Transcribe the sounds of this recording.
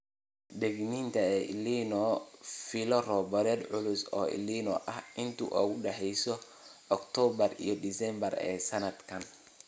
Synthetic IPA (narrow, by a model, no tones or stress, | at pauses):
d̪ɛɡniːnt̪ʰɐɛːliːnɔfɪlɔrɔːbɐɾɛːd̪ʕʊlʊsɔ̰ːɪ̰liːnɔ̰ʔɐhɪnt̪ʰṵʔɔːɣʊɖɛħɛjsɔ | ʔːkt̪ʰɔbɐrḭjɔd̪isɛmbɐrɛ̰ːsɐnɐd̪kʰɐn